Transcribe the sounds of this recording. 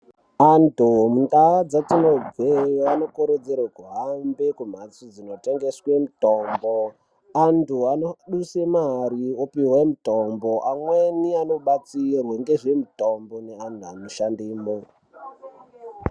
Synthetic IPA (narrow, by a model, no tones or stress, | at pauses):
antumundaad͡zatinob͡vʱwejoanokoɾed͡zeɾekuɦambe̞kum̤at͡sod͡zino̞te̞ŋɡe̞swe̞mutoːmbo | antuanoɗusemaɾiopiwemuto̞mbo̞ʔamweniano̞ɓat͡sirwaŋɡe̞ʐemuto̞mboneantʰuanoʃandiːmo